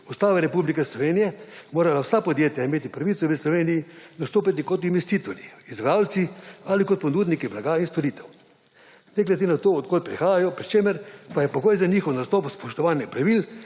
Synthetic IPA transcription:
ust̪aːʋɛɾɛpublikɛslɔʋeːnijɛmoːɾalawsapɔd̪jeːt̪jaimeːt̪ipɾaʋit̪sɔʋəslɔʋeːnijinast̪oːpit̪̬ikɔt̪inʋɛst̪iːt̪ɔɾjiːzbɾaːwlt̪sialikɔt̪̚pɔnuːd̪nikiblaɡaːinst̪oɾiːt̪ɛw | nɛklɛd̪enat̪oːt̪̚koːl̚pɾixaːjajɔpɾit͡ʃeːməɾpajɛpɔɡoːjzaniːxɔwnast̪ɔːpspɔʃt̪ɔʋaːnjɛpɾaʋil

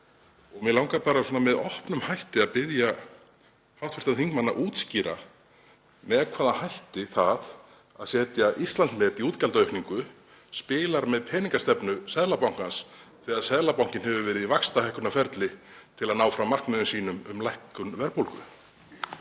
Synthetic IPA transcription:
ɔɣmɛlawŋkapaːɾasɔnamɛðɔhpnʏmhajht̪ɪaðpɪðja | hawt̪fɪ̥r̥t̪aθiŋkmanːa̰ʔuːt̪sciːɾa | mɛðkʰvaːðanhajht̪ɪθað | aðsɛːt̪jaʔist̪lansmɛːt̪iuːt̪calt̪œɥhkniŋkʏ | spɪːlaɾmɛðpʰɛːniŋkast̪ɛpnʏsɛðlapawŋ̥kansθɛɣaðsɛðlapawŋ̥cɪnhɛvʏvɛːɾɪðivakst̪ahɛjhkʏnafɛɾt̪lɪt̪ʰɪlaðnaːwfɾamar̥knmɛðʏnsiːnʏmʏ̰mlajhkʏnvɛɾpowlkʏ̰

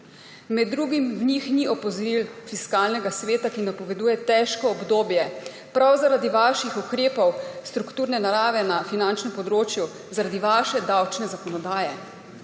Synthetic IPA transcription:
mɛd̪ːɾuːɡimwnixniɔpɔzɔɾilfiskaːlnɛɡasʋeːt̪akinapɔʋɛd̪uːjɛt̪ɛʃkɔːbd̪oːbjɛ | pɾawzaɾad̪iʋaːʃixukɾeːpɔwst̪ɾukt̪uːɾnɛnaɾaːʋɛnafinant͡ʃnɛmpɔd̪ɾoːt͡ʃju | zaɾad̪iʋaːʃɛd̪awt͡ʃnɛzakɔnɔd̪aːjɛ

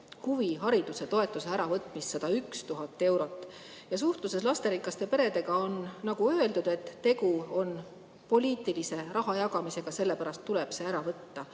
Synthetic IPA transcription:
huviɦɑɾid̪̥use̞t̪o̞e̞t̪ːˑuse̞æɾɑvɤt̪ːˑmist̪sɑd̪ɑykst̪uɦɑt̪ːˑe̞wɾo̞t̪ːˑ | jɑs̬uht̪luse̞slɑst̪eɾikːˑɑst̪e̞pe̞ɾe̞d̪e̞ɡ̥ɑo̞nːɑɡ̥uøe̞ld̪ud̪̥et̪ːe̞ɡuo̞n | po̞lʲiːt̪ˑilise̞ɾʔɑɦɑjɑɡ̥ɑmise̞ɡ̥ɑse̞lːe̞pæɾɑst̪ːuleb̥se̞æɾɑvɤt̪ːɑ

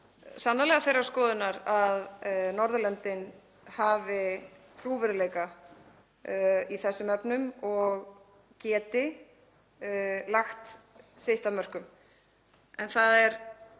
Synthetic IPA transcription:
sanːalɛɣaθejɾaɾskɔːðɪnːaɾaðnɔɾðʏlɛnt̪ɪn | haːvɪt̪ʰɾuːvɛɾɪleːjka | iθɛsːʏmœpnʏmɔɣ | cɛːt̪ɪ | laxt̪sejht̪amœr̥kʏm | ɛnθaðɛɾ

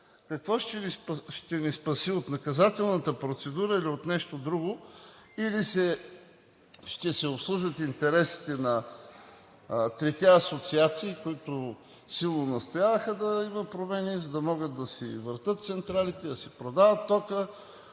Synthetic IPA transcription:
kɐkvɔʃt̪ɛʃt̪ɛnispɐsiot̪nɐkɐzat̪ɛlˠnət̪əpɾot̪sɛd̪uɾəiliot̪nɛʃt̪od̪ɾuɡoilisɛ | ʃt̪ɛsɛopslˠuʒvət̪int̪ɛɾɛsi̥t̪ɛnɐ | t̪ɾɛt̪ʲɛɐsot̪siat̪siːkoit̪o | silˠnonɐst̪ojavəxəd̪ɐiməpɾomɛnizɐd̪ɐmɔɡət̪d̪ɐsḭvəɾt̪ət̪̚t̪sɛnt̪ɾalit̪ɛd̪ɐsɛpɾod̪avət̪ːɔkə

